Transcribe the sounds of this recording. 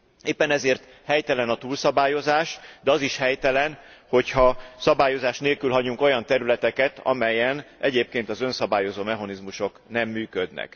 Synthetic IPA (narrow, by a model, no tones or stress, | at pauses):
eːpːɛnɛzeːrt̪ | hɛjt̪ɛlɛnɒt̪uːlsɒbaːjo̞zaːʃd̪ɛɒziʃhɛjt̪ɛlɛnho̞chɒsɒbaːjo̞zaːʃneːlkylɦɒɟuŋko̞jɒnt̪ɛɾylɛt̪ɛkɛt̪ɒ̰mɛjɛnʔɛɟeːp̚keːnt̪ɒzø̞nsɒbaːjo̞zoːmɛɦɒnizmuʃo̞knɛmːyːkød̪nɛ̰k